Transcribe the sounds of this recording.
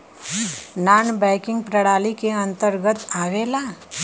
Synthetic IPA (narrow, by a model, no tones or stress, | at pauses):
naːnbɛɪkɪ̃ŋɡ̚pɾəɽaːlikeɐ̃nt̪əɾɡət̪aːweːlaː